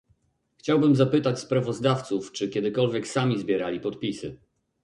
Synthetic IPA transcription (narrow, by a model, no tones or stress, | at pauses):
xt͡ɕawbɘmzapɘt̪at͡ɕspɾavɔzd̪aft̪suft͡ʂɘkʲɛd̪ɘkɔlvʲjɛksamʲizbʲjɛɾalʲipɔt̪pʲisɘ